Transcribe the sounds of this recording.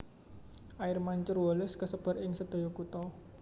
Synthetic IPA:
ʔaɪrmaɲt͡ʃʊrwɔlʊskəsəb̥ə̤ɾɪŋsəd̪̥o̤jɔkut̪ɔ

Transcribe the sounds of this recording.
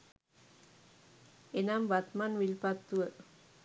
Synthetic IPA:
enambat̪manwilpat̪ːuə

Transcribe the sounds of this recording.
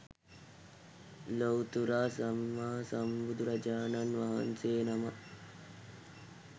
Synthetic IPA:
lowt̪uɾaːsamːaɦsambud̪uɾɐd͡ʒaːnanʋaɦa̰nseːnama

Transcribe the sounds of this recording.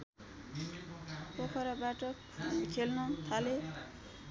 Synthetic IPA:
pokʰʌɾabaʈʌ | kʰelnut̪ʰale

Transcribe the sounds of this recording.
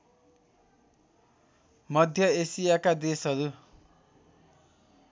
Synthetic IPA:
mʌd̪ʱjʌesijakad̪esɦʌɾu

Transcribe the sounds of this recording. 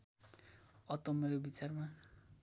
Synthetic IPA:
ʌt̪ʌmeɾobit͡sarma

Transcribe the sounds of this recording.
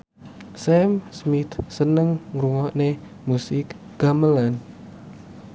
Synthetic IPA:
sɛmsmit̪sənəŋɾuŋɔʔne | musɪk | ɡ̥aməlan

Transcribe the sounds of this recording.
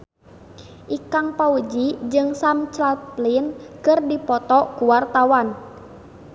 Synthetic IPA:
ʔikaŋpaud͡ʒid͡ʒɨŋsamt͡ʃlaplinkɨrdipɔt̪ɔkuwart̪awan

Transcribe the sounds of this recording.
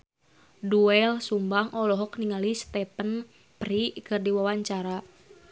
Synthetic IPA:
duɛlsumbaŋɔlɔɦɔkniŋalist̪ɛpən | prikɨrdiwawaɲt͡ʃaɾa

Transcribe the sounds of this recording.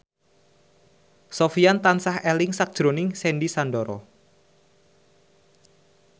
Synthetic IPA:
sofiant̪ansahɛlɪŋsak̚d̥ʒ̥ɾonɪŋsɛnɖisanɖɔɾɔ̰

